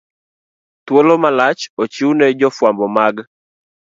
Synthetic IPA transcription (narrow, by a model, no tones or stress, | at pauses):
t̪wolomalat͡ʃot͡ʃiunɛd͡ʒɔfwambɔmaɡ